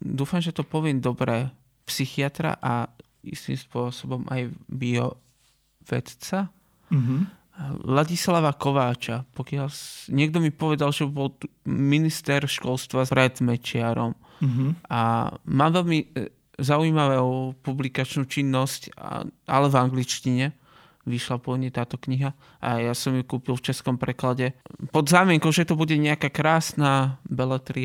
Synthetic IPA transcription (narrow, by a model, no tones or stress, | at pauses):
d̪uːfamʒɛt̪ɔpɔʋɪɛmd̪ɔbɾɛ | psixiat̪ɾa̰ʔa | ḭst̪ḭmspʊɔsɔbɔmʔa̰jbiɔ | ʋɛ̰t̪t͡sa | laɟislaʋakɔʋaːt͡ʃapɔkɪalsɲɛɡ̚d̪ɔmipɔʋɛd̪alʒɛbɔlminist̪ɛɾʃkɔlst̪ʋapɾɛd̪mɛt͡ʃɪaɾɔm | a̰maːmʋɛlmi | zauimaʋɛupublikat͡ʃnuːt͡ʃinːɔsca̰alɛvaŋɡlit͡ʃciɲɛ | ʋiʃlapɔɲɛt̪aːt̪ɔkɲiɦa | ʔa̰jasɔmjukuːpilft͡ʃɛskɔmpɾɛklaɟɛpɔd̪zaːmɪɛŋkɔʊʒɛt̪ɔbuɟɛɲɛakakɾaːsnabɛlɛt̪ɾi